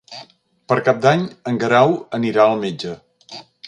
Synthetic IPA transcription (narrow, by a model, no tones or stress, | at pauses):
pəɾkap̚d̪aɲəŋɡəɾawəniɾaəlˠmed͡ʒə